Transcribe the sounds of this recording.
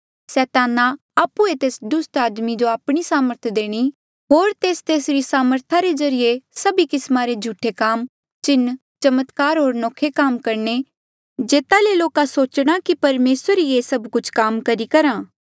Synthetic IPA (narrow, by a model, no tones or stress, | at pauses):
sɛːt̪aːna | aːpːuet̪eːsd̪ʊst̪aːd̪mid͡ʒoaːpɽ̃isaːməɾt̪ʰd̪eːɽ̃i | ɦoːɾt̪eːst̪eːsɾisaːməɾt̪ʰaɾed͡ʒɐɾijesɐbikɪsmaɾed͡ʒʱuːʈʰekaːm | t͡ʃɪnː | t͡ʃɐmət̪kaːɾɦoːɾnɔːkʰːekaːmkɐɾne | d͡ʒeːt̪aleloːkasoːt͡ʃɽ̃akipɐɾmeːsəɾiesɐbkʊt͡ʃʰkaːmkɐɾikɐɾãː